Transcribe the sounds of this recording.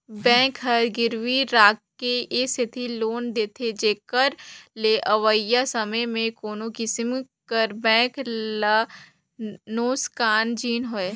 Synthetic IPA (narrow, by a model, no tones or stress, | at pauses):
bɛ̃ːkɦɐɾɡɪɾʋiɾaːkkːeesɪt̪ʰiloːnd̪eːt̪ʰed͡ʒeːkəɾleʔɐʋəjasɐməjmẽkoːnokɪsɪm | kəɾbɛ̃ːklə | noːskaːnd͡ʒiːnɦoeː